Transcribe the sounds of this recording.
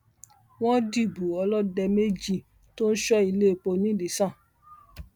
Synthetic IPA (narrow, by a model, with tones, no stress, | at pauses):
w̃ɔ̃˦di˦˨bu˨ɔ˧lɔ˦dɛ˧me˦d͡ʒi˦˨ | to˦n̩˦ʃɔ˦i˧le˦˨k͡po˧nĩ˨˦˨di˨sã˦˨